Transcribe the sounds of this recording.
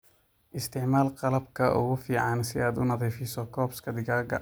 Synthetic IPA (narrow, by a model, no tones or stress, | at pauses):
ʔɪst̪ʰɪʕmaːlqɑlɐbkʰɐʔʊ̰ɣʊfiːʕɑnsɪaːd̪ʊnɐðɛːfɪsɔkʰɔːbskʰɐd̪ɪɣaːɡɐ̰